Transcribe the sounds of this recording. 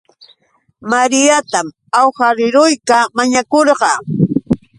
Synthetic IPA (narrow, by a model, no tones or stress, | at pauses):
maɾɪjat̪am | awhaɾɪɾʊjkamaɲakoɾɢɑ